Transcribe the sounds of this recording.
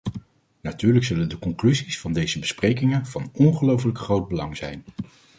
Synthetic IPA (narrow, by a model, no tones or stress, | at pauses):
natyːɹləksɵləndəkɔŋklyzisfɑndejzəbəsprejkɪŋənv̥ɑnɔnχəlowf̬ələkχrowd̚bəlɑŋzɛ̰jn